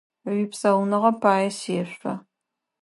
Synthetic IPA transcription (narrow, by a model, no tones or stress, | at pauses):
ipsɐwnɨʁɐpʰaːjɛseːɕʷʼɐ